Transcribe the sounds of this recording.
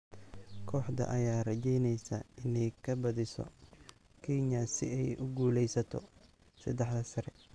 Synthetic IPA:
kʰɔːħd̪ɐ̰ʔɐjaːrɐt͡ʃɛjnɛjsɐ̰ɪnɛjkʰɐbɐðɪsɔ̰ | kʰɛɲɐsɪ̰ɛjʔʊɡuːlɛjsɐt̪ʰɔ̰ | sɐd̪ɛħd̪ɐsɐɾɛ

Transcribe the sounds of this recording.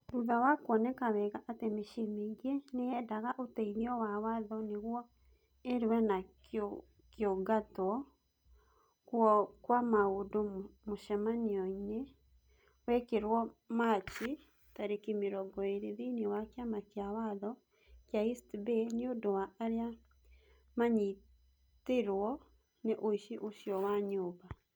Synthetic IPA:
ɾuðawakwɔnekaβɛɣaʔatemeʃemeɣiɛneɛdaɣaʔotɛiɾeɔwawaðɔneɣwɔ | eɾwɛnako | kjoɡatwɔ | kuɔkwamaodomoʃɛmaniɔine | wɛkeɾwɔmat͡ʃi | taɾekimeɾɔɡɔeɾeðinewakjamakeawaðɔ | kjaistbeneodowaʔːɾea | maɲi | teɾwɔ | neʔoiʃiʔoʃjɔwaɲoːba

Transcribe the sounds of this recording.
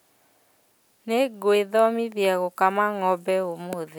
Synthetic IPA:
neɡweðɔmiðjɛɣɔkamaŋɔbɛomoðe

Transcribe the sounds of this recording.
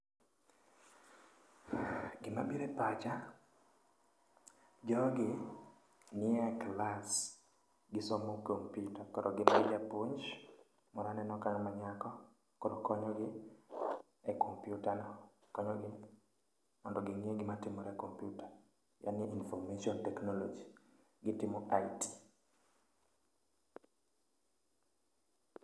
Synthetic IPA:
ɡɪma̰biɾɛpat͡ʃa | d͡ʒɔɡɪ | nɪɛklas | ɡɪsɔmokompjutakɔɾʔɔɡɪmaɪd͡ʒapuɲd͡ʒ | mɔɾanɛnɔkaŋmaɲakɔ | kɔɾokɔɲɔɡɪ | ɛkʰompjutanɔkɔɲɔɡɪ | mɔndɔɡɪŋieɡɪmatɪmɔɾɛkompjuta | ja̰nɪeinfɔrmeʃiɔntɛknɔlɔd͡ʒi | ɡɪtɪmɔʔaiti̥

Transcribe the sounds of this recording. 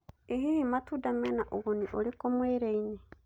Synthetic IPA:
eɦihimatudamɛnaʔoɣoniʔoɾekomweːɾeine

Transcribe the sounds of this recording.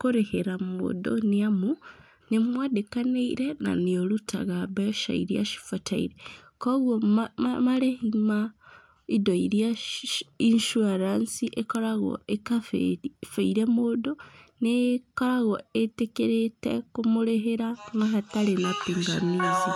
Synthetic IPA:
koɾeheɾamo̰do̰niamu | nimwadekaneiɾena̰nioluta̰ɣabaʃa̰ḭɾja̰ʃi̥fatʰaḭɾe | koɣwoamalehima | idoiɾja | inʃuaɾansiʔekolaɣo̰ekaffeiɾemodonekolaɣoetekeɾetḛkumuleɦeɾaŋɡaɦatalenapiŋɡamiza

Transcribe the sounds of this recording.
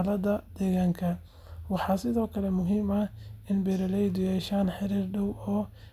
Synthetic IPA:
lɐðɐd̪̥ɛːɣaːŋkʰɐ | wɑħɑːsɪðɔːkʰɐlɛmʊɦiːmɐhɪnbɛɾɐlɛjd̪ʊjɛːʃaːnħɪɾiːrɖɐwɔː

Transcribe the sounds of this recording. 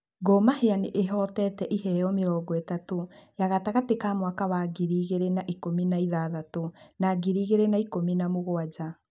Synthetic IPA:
ɡomaheaneʔeɦɔtɛtɛʔiɦɛjɔmeɾɔːɡɔetatojaɣataɣatekamwakaβaɡiɾiːɣeɾenaʔikominaiðaːðatonaɡiɾiːɣeɾenaikominamoɣoad͡ʑa

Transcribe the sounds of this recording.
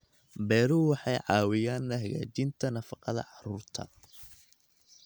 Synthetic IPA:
bɛːɾʊwɑħɑjʕɑːwɪjaːnːɐɦɐɣa̰ːt͡ʃɪnt̪ʰɐnɐfɑqɑðɐ̰ʕɑruːrt̪ʰɐ̰

